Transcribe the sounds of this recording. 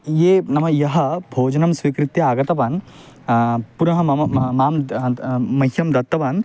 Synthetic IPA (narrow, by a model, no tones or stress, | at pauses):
jeːnɐmɐjɐɦɐ̆bʱoːd͡ʒɐnɐmsʋikɾit̪jɐaːɡɐt̪ɐʋɐn | puɾɐɦɐɐmaːm | mɐɦjɐmd̪ɐt̪ːɐʋan